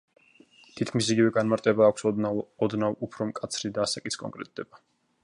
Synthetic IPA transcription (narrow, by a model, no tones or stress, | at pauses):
t̪ʰit̪̚ʰkʰmisiɡivɛɡanmaɾt̪ʼɛbaːkʷʰsɔd̪navupʰɾɔmkʼat̪sʰɾid̪aːsakʼiskʼɔ̰ŋkʼɾɛ̰t̪̚ʼd̪ɛba